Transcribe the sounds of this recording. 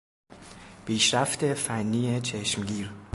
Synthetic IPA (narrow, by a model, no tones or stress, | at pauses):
b̥iːʃɾæft̪ʰefænːiːet͡ʃʰeʃmɡiːɾ